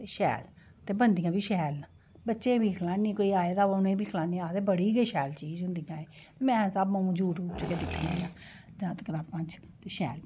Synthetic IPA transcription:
t̪eːʃɛ̰ːl | t̪eːbənd̪ijãːbiːʃɛːl | bətːʃẽːbiːkʰəlaːniːkoːiːaːeːd̪aːʋaʊnẽːbiːkʰəlaːnĩːaːt̪eːbəɽiːɡeːʃɛːlt͡ʃiːd͡ʒɦʊ̃nd̪ijãːeː | t̪eːmɛ̃ːsabmãːũd͡ʒuːʈuːt͡ʃəkeːd̪ɪkʰnãːjãː | d͡ʒãːt̪əkəɾaːpãnt͡ʃ | t̪eːʃɛ̰ːl

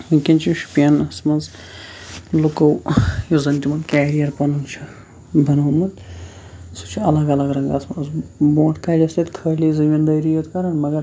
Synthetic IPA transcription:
ɨkʲint͡ʃʰiʃu̥pjanɐsmɐnz | lukɐwjozɐnt̪ʲimɐnkʲaːɾijɐɾpɐnunt͡ʃʰi | bʱɐnɐɦmɐd̪ | sʰut͡ʃʰiɐlɐɡɐlɐɡɾɐŋɡɐsmɐzbõːʈʰkaːd͡ʒʲɐsʲɐt̪kʰəːlʲizɐmʲind̪ɐjɾijot̪kɐɾɐnmɐɡɐɾ

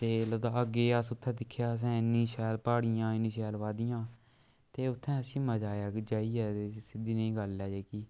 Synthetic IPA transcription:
t̪eːləd̪aːəɡeːəsʊt̪ʰːɛ̃ːd̪ɪkʰjaːs̬ɛ̃ːɪnːĩːʃɛːlpaːɽijãːɪnːĩːʃɛːlʋaːd̪ijãː | t̪eːʊt̪ʰːɛ̃ːəsĩːməd͡ʒaːjaːkd͡ʒaːiːɛːt̪esɪd̪iːnəĩːɡəlːɛːd͡ʒeːkiː

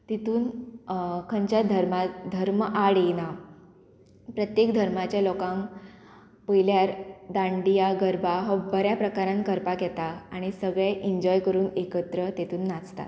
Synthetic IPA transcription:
t̪et̪uːn | kʰəɲt͡ɕjad̪ʱəɾmad̪ʱəɾməʔaɽina | pɾət̪jekd̪ʱəɾmat͡ɕjalɔkãŋ | pəjljaɾd̪ãɳɖijaɡəɾbaɦəbəɾjapɾəkaɾãnkəɾpakɛt̪aaɽ̃isəɡɭeʔiɲd͡ʑɔjkəɾuːnekət̪ɾət̪et̪uːnːat͡st̪a̰t̪

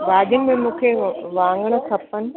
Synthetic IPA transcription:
baːɗ̪jʊnɪ̆mẽmũːkʰeʋãːŋɡəɽ̃ə̆kʰɐpənɪ̆

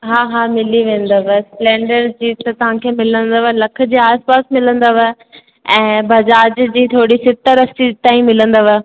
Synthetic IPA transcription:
ɦaːɦaːmɪliʋẽːnd̪aʋesplẽːɳɖəɾd͡ʑiːt̪ɐt̪ɐʋ̤ãkʰeːmɪlə̃nd̪əʋəlɐkʰə̆d͡ʑiːaːspaːsmɪlə̃nd̪əʋə | ɛ̃ːbɐd͡ʑaːd͡ʑd͡ʑiːt̪ʰoːɽisɪt̪əɾɐstit̪aːĩmɪlə̃nd̪əʋə

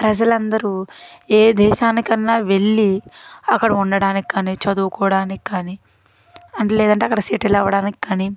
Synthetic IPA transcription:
pɾɐd͡ʒɐlɐnd̪ɐɾueːd̪ɛːʃaːnikɐnːaːʋe̞ɭːiɐkːɐɽɐuɳɖɐɽaːniki̥kaːnit͡ʃɐd̪uːkɔʋɐɽaːniki̥kaːni | ɐɳʈelɛːd̪ɐɳʈ̬eɐkːɐɽɐsiːʈɛlɐʋːɐɽaːniki̥kaːni

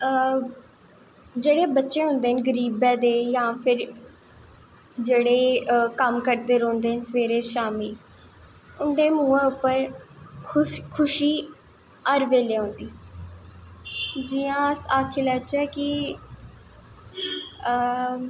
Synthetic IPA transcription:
d͡ʒeːɽeːbətːʃẽːɦʊ̃nd̪eːɦənɡəɾiːbɛ̃ːd̪eːjãːpʰɪɾ | d͡ʒeːɽeːkəmkəɾd̪eːɾõːnd̪eːɦənsəʋeːɾeːʃaːmiː | ʊnd̪eːmũːẽːʊpːəɾʰ | kʰʊʃiː | əːɾʋeːleːɦõːnd̪iː | d͡ʒiːãːaːkʰeːləːt͡ʃɛːkɪ

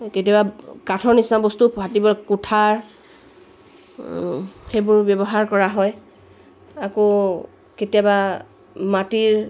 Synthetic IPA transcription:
ketijabakatʰɔɹnisabɔstupɦatibɔkutʰaɹ | xejbʊɹbɔbɔɦaɹkɔɹaɦɔj | ako | ketijaba | matiɹ

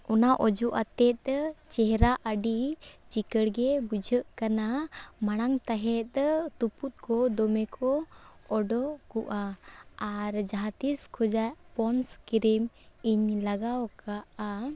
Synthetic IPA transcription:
ɔnaʔɔd͡ʒuʔat̪ɛt̪̚ˀt͡ʃɛɦɛɾaʔəɖit͡ʃikəɽɡɛbud͡ʒʱəʔkanamaɽ̃aŋt̪aɦɛt̪̚ˀt̪uput̪̚kɔd̪ɔmɛkʰɔɔɖɔkuʔaː | ɾd͡ʒaɦat̪iskʰɔd͡ʒapɔnskɾimiɲlaɡawkaʔa

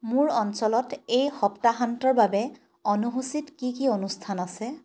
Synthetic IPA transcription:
mʊɹɔnsɔlɔtejxɔptaɦantɔɹbabɛ | ɔnuɦusitkikionustʰanasɛ

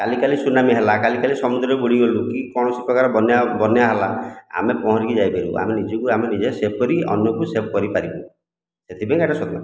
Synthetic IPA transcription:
kalikalisunamiɦelakalikalisɔmud̪ɾiɔbuɽiɡolukikɔɽ̃ɔsipɔkaɾɔbɔnjabɔnjaɦelaa̰mepɔɦɔ̃ɾikid͡ʒajbeɾṵa̰menid͡ʒɔkuamenid͡ʒesep̚ɔɾiɔ̰njɔkusep̚kɔɾipaɾibɔ | set̪ʰibeŋaʈasɔt̪ma

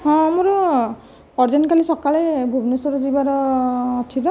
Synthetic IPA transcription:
ɔ̃muɾɔ | ɔɹzɔnkalisɔkalebʱubnusɔɾɔzibaɾɔːtʰidɔ

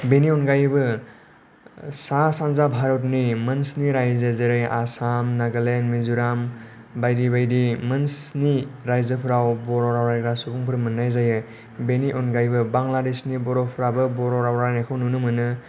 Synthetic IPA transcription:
beniɔnɡajbɯ | sasanzabʱaɾɔt̬nimɯnsniɾajzezeɾejʔasamnaɡɯlenmizuɾam | bajdibajdimɯnsniɾajzɯpʰɾawbɔɾɔɾawɾajkɾasubuŋpʰɯɾmɯnːajzajɯ | beniʔɔnɡajbɯbaŋladesnibɔɾɔpʰɾabɯbɔɾɔɾawɾanakʰɯwnunɯmɯnɯ

